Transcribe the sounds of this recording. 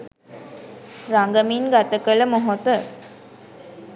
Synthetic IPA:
ɾaŋɡəminɡat̪əkələmoɦot̪ə

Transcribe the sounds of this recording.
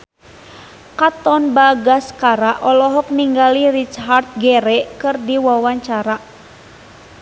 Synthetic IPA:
kat̪ɔnbaɡaskaɾaʔɔlɔɦɔk̚niŋɡalirit͡ʃɦart̪̚ɡɛɾɛkɨrdiwawaɲt͡ʃaɾa

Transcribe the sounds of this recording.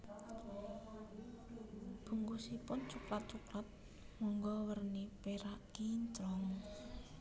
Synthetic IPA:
b̥ṳŋɡusipʊnt͡ʃuklat̪̚t͡ʃuklat̪̚ | mɔŋɡɔwərnipeɾaʔkiɲt͡ʃɾɔŋ

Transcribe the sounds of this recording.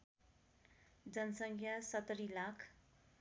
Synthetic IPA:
d͡zʌnʌsʌŋkʰjasʌt̪ʌɾilakʰ

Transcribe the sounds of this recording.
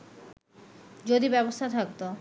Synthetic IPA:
d͡ʑod̪ibɛbost̪ʰat̪ʰak̚t̪o

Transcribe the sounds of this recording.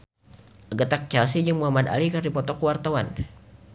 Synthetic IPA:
ʔaɡət̪ak̚t͡ʃɛlsid͡ʒəŋmuɦamad̪a̰likardipɔt̪ɔkuwart̪awan

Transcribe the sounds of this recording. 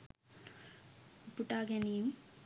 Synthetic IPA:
puʈaːɡɐnim

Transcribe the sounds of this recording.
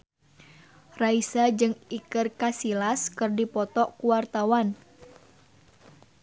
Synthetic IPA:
raisad͡ʒɨŋikərkasilaskɨrdipɔt̪ɔʔkuwart̪awan

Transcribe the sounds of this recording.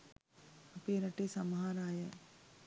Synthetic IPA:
ɐpeːɾɐʈesɐmɦaːɾaːje

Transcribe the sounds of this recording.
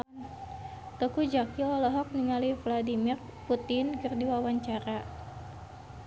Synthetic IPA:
t̪ɔkud͡ʒakiɔlɔɦɔk̚niŋalivladimir | put̪ɪnkɨrdiwawaɲt͡ʃaɾa

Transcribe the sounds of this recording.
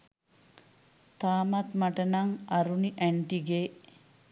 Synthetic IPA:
t̪aːmat̪maʈənaŋaɾuniʔæɳʈiɡeː

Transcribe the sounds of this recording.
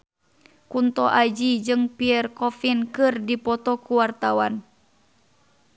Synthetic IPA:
kunt̪ɔʔad͡ʒid͡ʒɨŋpiɛrkɔfinkɨrdipɔt̪ɔkuwart̪awan

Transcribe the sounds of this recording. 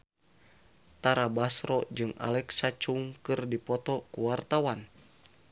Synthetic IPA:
t̪aɾabasɾɔd͡ʒɨŋa̰lɛksat͡ʃuŋkɨrdipɔt̪ɔkuwart̪awan

